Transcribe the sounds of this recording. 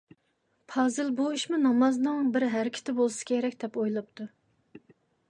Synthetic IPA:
pʰɑːzɨlbuiʃmunɑmɑznɨŋbɪɾɦæɾɪkʲʰi̥t̪ʰɪbolˠɨsɨ̥kʲʰeɾɛkʲd̪̥ɛpojlˠɑpt̪ʰu

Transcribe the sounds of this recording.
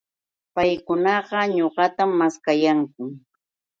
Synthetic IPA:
pajkʊnɑɢɑɲoɢɑt̪amːaskajaŋkʊ

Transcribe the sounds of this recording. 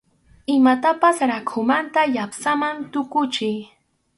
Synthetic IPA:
ɪmat̪apasɾakʰʊmant̪ajapsamant̪ʊkʊt͡ʃɪj

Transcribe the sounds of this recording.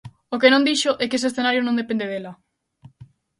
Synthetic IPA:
okenõnd̪iʃoʔɛkes̬esθenaɾjonõnd̪epẽnd̪eðela

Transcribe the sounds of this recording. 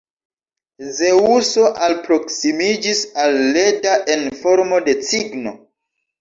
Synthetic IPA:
ze̞uso̞ʔalpɾo̞ksimid͡ʒisalːe̞daʔenfo̞ɾmo̞de̞t͡siɡno̞̰

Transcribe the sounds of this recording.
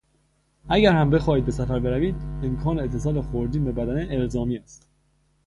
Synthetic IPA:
æɟæɾhæmbe̞xɒːhiːd̪̚be̞sæfæɾbe̞ɾæviːd̪emkʰɒːneet̪ʰːesɒːlexoɾd̪iːnbebæd̪æneʔelzɒːmiːæst̪

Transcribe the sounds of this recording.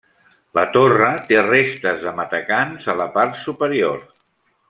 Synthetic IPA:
lə̰t̪orət̪erest̪əzðəmət̪əkanzələpaɾt̪supəɾio̰ɾ

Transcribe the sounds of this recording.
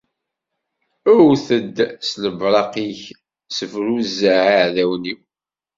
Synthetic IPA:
ʊɾθəd̪ːsləbɾˤɑqiç | səfɾuzːəʕaʕðæwni

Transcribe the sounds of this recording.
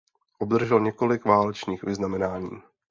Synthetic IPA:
ʔobd̪r̩ʒɛlɲɛko̞lɪkvaːlɛt͡ʃniːxvɪznamɛnaːɲḭː

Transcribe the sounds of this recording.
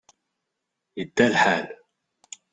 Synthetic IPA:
jəd̪ːælħaːl

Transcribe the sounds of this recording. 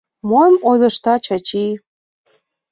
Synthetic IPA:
mojmojd̪ə̆ʃt̪ɑt͡ɕɑt͡ɕi

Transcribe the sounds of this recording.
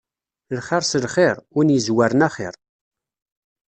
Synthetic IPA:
lχɪɾˤsəlχɪɾˤʊnjəzwaɾənæχɪ̰ɾˤ

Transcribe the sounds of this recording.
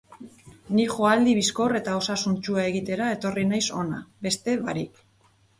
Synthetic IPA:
nixo̞ald̪iβisko̞re̞t̪ao̞sasunt͡ʃuae̞ɣit̪e̞ɾae̞t̪o̞rinajso̞na̰be̞st̪e̞βaɾik

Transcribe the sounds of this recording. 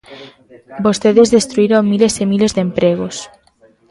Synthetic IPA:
bo̞st̪eðezðest̪ɾuiɾoŋːilesemile̞zðempɾeɣ̞os

